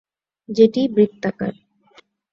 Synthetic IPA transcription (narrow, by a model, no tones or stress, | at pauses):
d͡ʑeʈibɾikt̪ːaka̰ɾ